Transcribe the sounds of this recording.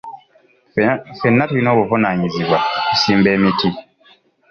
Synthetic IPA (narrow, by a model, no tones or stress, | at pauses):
fɛnːatinɔbɔfɔnaɲizibwaisimbɛmitʰi